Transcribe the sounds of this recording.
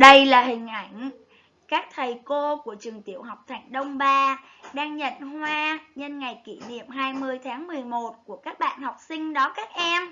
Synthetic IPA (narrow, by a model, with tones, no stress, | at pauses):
ɗə˧jlaː˨˩ɦï˨˩ŋ̟ʔa˧˩jŋ̟ | kaː˦˥k̚t̪ʰə˨˩jko˧ku˧˩ət͡ɕɨ˨˩əŋt̪i˧˩əwɦa˨˩wk͡p̚t̪ʰa˨˩jŋ̟ɗə˧wŋ͡mɓaː˧ | ɗaː˧ŋɲə̰˧˨nhwaː˧ɲə˧nŋa˨˩jki˧˩nḭ˧˨əmɦaː˧jmɨ˧əjt̪ʰaː˨˦ŋmɨ˨˩əjmo˨˩t̚ku˧˩əkaː˦˥k̚ɓa̰ː˧˨nhɔ˨˩wk͡p̚sï˧ŋ̟ɗɔ˨˦kaː˦˥k̚ʔɛ˧m